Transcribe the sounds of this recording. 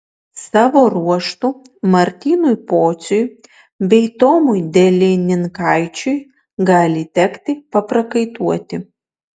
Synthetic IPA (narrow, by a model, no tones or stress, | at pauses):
sɑːʋoːɾuɔʃt̪u | mɐɾʲt̪ʲiːnʊjpoːt̪sʲʊj | bʲɛɪt̪oːmʊjd̪ʲɛlʲɪnʲɪŋkɑˑɪt͡ʃʲʊj | ɡɑːlʲɪt̪ʲɛkt̪ʲɪpɐpɾɐkɐɪt̪uɔt̪ʲɪ